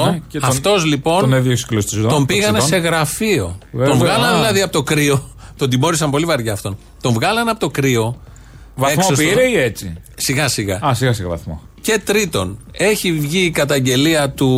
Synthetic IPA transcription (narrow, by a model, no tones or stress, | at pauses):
oɐft̪o̞zlipo̞nneðjoksi̥klost̪izt̪o̞mbiɣɐnese̞ɣɾɐfio̞vt̪o̞nvɣɐlɐnðilɐðiɐpot̪okɾio̞t̪o̞nd̪imo̞ɾisɐmpo̞livɐɾʝɐːft̪o̞n | t̪o̞ɱvɣɐlɐnɐpo̞t̪o̞kɾio̞ | vɐemksoosiɾeiet͡si | siɣɐsiɣɐɐsiɣɐsiɣɐvɐ̰θmo̰ | ce̞t̪ɾit̪o̞n | e̞çivʝiːkɐt̪ɐɲɟe̞liɐt̪u